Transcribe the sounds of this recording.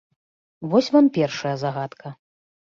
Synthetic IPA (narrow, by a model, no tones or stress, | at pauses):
vɔsʲvampʲɛrʂɐjɐzaɣat̪kʰɐ